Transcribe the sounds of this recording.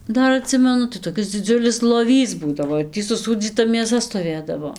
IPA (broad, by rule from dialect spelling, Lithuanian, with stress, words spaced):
ˈdɐr ɐˈtʲsʲɪmʲɛnʊ tɐɪ toːˈkʲɪs d͡zʲɪˈd͡zʲʊlʲɪs lˠoːˈʋʲiːs ˈbuːdɐʋoː ɪr ˈtʲiː sʊˈsuːd͡zʲiːtɐ mʲeːˈsɐ stoːˈʋʲeːdɐʋoː